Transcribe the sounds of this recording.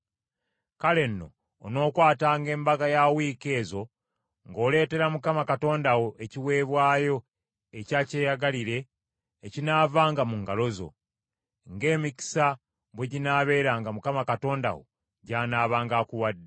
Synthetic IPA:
kale̞nːo̞̰ː | no̞ːkwaːtaːŋɡe̞ːmbaɡajawiːke̞ːzo̞ | ŋɡo̞ːle̞ːte̞ɾamukamakato̞ːndawo̞ʔeciwe̞ːβwaːjo̞ | ecaːce̞ːjaɡaliɾe̞ː | cinaːvaːŋɡamuŋɡalo̞zo̞̰ | ŋɡe̞ːmici̥sa | βwe̞ɟinaːβe̞ːɾaːŋɡamukamakato̞ːnda̰wo̞̰ | ɟaːnaːβaːŋɡaːkuwadːe

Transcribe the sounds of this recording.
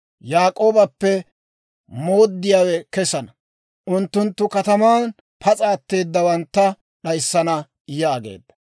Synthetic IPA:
jaːkʼo̞ːbɐpːɛ | mo̞ːd̪ːɪjaːwɛkɛsɐnɐ | ʔʊnt̪ːʊnt̪ːʊkɐt̪ɐmaːn | pʰɐt͡sʼaːt̪ːe̞ːd̪ːɐwɐnt̪ːɐ | ɗɐjsːɐnɐ | jaːɡḛːd̪ːɐ̥

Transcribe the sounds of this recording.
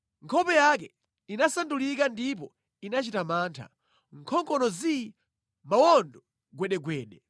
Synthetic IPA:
ŋkʰɔpɛjak̬ɛ | inasandulikandip̬ɔ | inat͡ʃitamaːntʰa̰ | ŋ̩kʰɔŋkʼɔnɔzi | mawɔndɔ | ɡwɛɗɛɡwɛːɗɛ

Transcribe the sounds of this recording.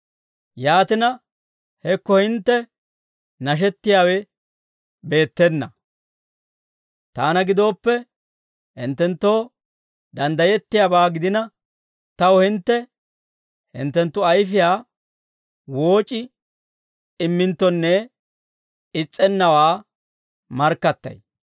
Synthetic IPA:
jaːt̪ɪnɐ | hɛkːɔhɪnt̪ːɛ | nɐʃ̬ɛt̪ːɪjaːwɛ | be̞ːt̪ːɛnːɐ | t̪aːnɐɡɪd̪o̞ːpːɛ | hɪ̰nt̪ːɛnt̪ːoː | d̪ɐnd̪ɐjɛt̪ːɪjaːbaːɡɪd̪ɪnɐ | t̪ɐwɔhɪnt̪ːɛ | hɪ̰nt̪ːɛnt̪ːʊɐjfɪjaː | wo̞ːt͡ʃʼɪ | ɪmːɪnt̪ːɔnːɛ | ɪt͡sʼːɛnːɐwaː | mɐɾkːɐt̪ːɐ̰j

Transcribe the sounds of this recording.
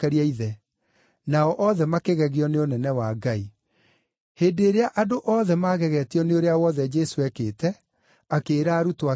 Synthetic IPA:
ɛɾiaiðɛ | naɔʔɔðɛmakeɣɛɣeɔneonɛnɛwaɡai | heːdeɾeaʔadoʔɔðɛmaːɣɛɣɛtiɔneoɾeawɔðɛd͡ʒɛsoɛkeːtɛ | akeːɾaːɾutowa

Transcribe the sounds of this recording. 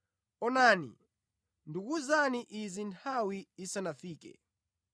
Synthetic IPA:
ɔnaːnḭ | ndukuzaniʔizintʰawiːsanafiːkɛ̰

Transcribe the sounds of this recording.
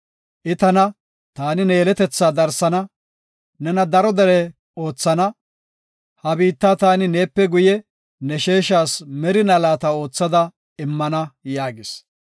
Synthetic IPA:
ʔɪt̪ɐnɐ | t̪aːnɪneːlɛt̪ɛt͡sːaːd̪ɐɾsɐnɐ | nɛnɐd̪ɐɾɔd̪ɛɾɛ | o̞ːt͡sːɐnɐ | hɐbiːt̪ːat̪aːnɪneːpːɛɡʊjɛ | nɛʃe̞ːʃaːsmɛɾɪnɐlaːt̪ɐo̞ːt͡sːɐd̪ɐ | ɪmːɐnɐjaːɡɪs

